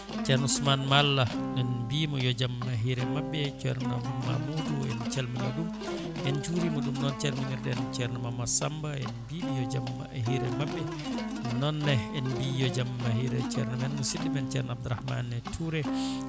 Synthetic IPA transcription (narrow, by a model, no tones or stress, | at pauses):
t͡ʃɛɾnusmanmalːaɗɛnbimɔjɔd͡ʒamːaɦiɾɛmabːɛt͡ʃɛɾnama̰muduɛ̰nt͡ʃɛlminɔ̰dum | ʔɛnt͡ʃuɾimɔɗumnɔnt͡ʃɛlminiɾɗɛɛnt͡ʃɛɾnamamasambaɛnbibijɔd͡ʒamːaɦiɾɛmabːɛ | nɔnːɛɛnbijɔd͡ʒamːahiɾɛt͡ʃɛɾnamɛnmusilːimɛnt͡ʃɛɾnab̚d̪uɾahma̰nːɛtʰuɾɛ